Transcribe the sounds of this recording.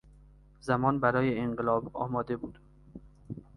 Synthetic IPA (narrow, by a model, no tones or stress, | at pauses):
zæmɒːnbæɾɒːjeeɴɢelɒːbɒ̰ːmɒːd̪e̞buːd̪̥